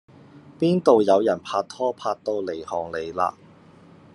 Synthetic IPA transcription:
piː˥nt̪o˨wjɐ˨˧wjɐ˨˩npʰaː˧t̚t̪ʰɔː˥pʰaː˧t̚t̪o˧wle˨˩jhɔː˨ŋle˨˧jla̰ː˧

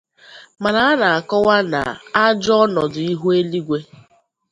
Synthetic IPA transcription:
ma˨ɾa˨a˦na˨a˨kɔ˦wa˦na̰˨a˦d͡ʒɔ˦nɔ˨dʊ˨i˦ɦu˦e˦li˦ɡʷe˦

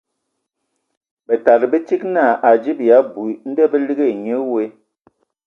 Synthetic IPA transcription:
bə˨ta˨ɾbə˦t͡ʃi˦kna˦˨ʔa˨d͡ʒi˦bi˨ja˨˦bu˨n̩˦də˦bə˦li˦ɡe˦˨ɲə˦we˦

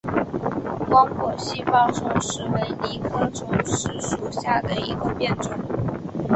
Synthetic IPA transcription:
pɑ˥ʊkʰwɔ˥˩ɕi˥fɑ˥ŋʈ͡ʂʊ˥ŋʂɻ̩˧˥we˧˥ɪli˥˩kʰɤ˥ʈ͡ʂʰʊ˥ŋʂɻ̩˥˩ʂu˨˩ɕja˥˩d̪ə˩i˧˥ɡə˧pjɛ˥˩nʈ͡ʂə˨˩˦ŋ

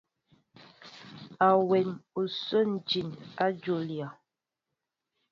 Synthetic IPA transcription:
a˨wɛ˨nu˨so˦n˨d͡ʒi˨na˦d͡ʒo˨lja˨

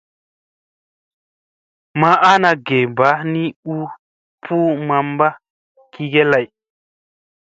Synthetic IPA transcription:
ma˨ʔa˦na˧ɡe˨ba˨˦ni˦u˦ | pʰu˦ma˨mba˦ | ki˨ɡe˦la˨j

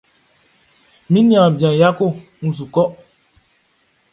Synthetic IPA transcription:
mĩ˦nĩ˦ã˨bjã˨ja˦ko˦˨ | ŋ̩˨s̬u˨kɔ˦

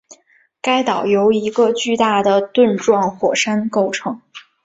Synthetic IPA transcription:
ka˥ɪt̪ɑ˨˩ʊjo˧˥ʊi˧˥ɡə˧t͡ɕy˥˧t̪a˥˩d̪ə˩t̪wə˥˧nʈ͡ʂwɑ˥˩ŋxwɔ˨˩ʂa˥nko˥˩ʊʈ͡ʂʰɤ˧˥ŋ

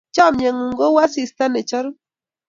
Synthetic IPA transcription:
t͡ʃɔ˦˨mɲɛ˨ŋu˨ŋɡo˦wa˦si˨sta˦nɛ˨t͡ʃɔ˦ɾ

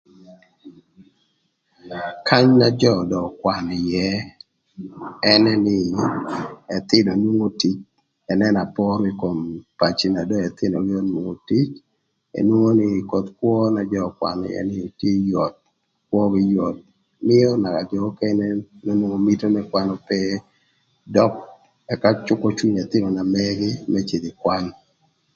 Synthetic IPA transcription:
kʰa˦ɲna˦d͡ʒɔ˦˨dɔ˨kwa˨nɪ˨jɛ˦ | ɛ˦nɛ˦nɪ˦ | ɛ˨t̪ɪ˦no˨nwo˦ŋo˦ti˨t͡ʃ | ɛ˨nɛ˦na˨pɔ˦ɾi˦ko˨mpa˨t͡ʃi˨na˨dɔ˦ɛ˨t̪ɪ˦no˨ɡɪ˦o˦nwu˨ŋo˨ti˦t͡ʃ | ḛ˨nwo˦ŋo˦nɪ˦ko˨t̪kwɔ˦na˨d͡ʒɔ˦kwa̰˨n̰˨ɛ̰˦nɪ˦tje˦jɔ˨t̪̚ | kwɔ˦ɡɪ˦jɔ˨t̪̚ | mɪ˦ɔ˦na˨ka˨d͡ʒɔ˨˦kɛ˦nɛ˦no˦nwo˦ŋo˨mi˦to˦nɛkwa˦nɔpɛ | dɔ˦k̚ | ɛ˨ka˦t͡ʃʊ˦kɔ˦t͡ʃu˦ɲɛ˨t̪ɪ˦no˨na˨mɛ˦ɡɪ˦mɛ˦t͡ʃi˨d̪ɪ˨kwa˦n

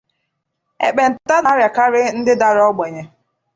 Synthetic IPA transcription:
ḛ˨k͡pe˨n̩˨ta˦na˦ɾja˨ka˦ɾɪ˦n̩˦dɪ˦da˨ɾɔ˦ɡ͡be˨ɲe˨

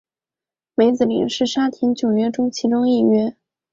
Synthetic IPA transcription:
me˧˥ɪt͡sɹ̩˨˩lḭ˨˩ŋʂɻ̩˥˩ʂa˥t̪ʰi˧˥nt͡ɕjo˨˩ʊɥɛ˥ʈ͡ʂʊ˥ŋt͡ɕʰi˧˥ʈ͡ʂʊ˥ŋi˥˩ɥɛ˥

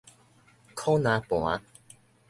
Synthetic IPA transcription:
kʰɔ˦nã˨˧˦pwa˨˦

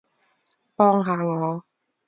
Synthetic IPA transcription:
pɔː˧ŋɦaː˨˩˦ŋɔː˨˦

